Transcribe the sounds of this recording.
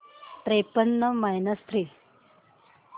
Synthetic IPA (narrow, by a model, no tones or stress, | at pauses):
tɾepənːəmajnəst̪ʰɾiː